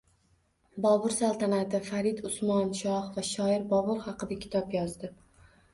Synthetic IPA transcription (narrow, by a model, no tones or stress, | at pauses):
bɒbʊɾsalˠt̪ʰanat̪ɪfaɾɪd̪ʊsmɒnʃɒhvaʃɒɪɾbɒbʊɾχɑqɨd̪akʲʰɪ̥t̪ʰɒpjɒzd̪ɪ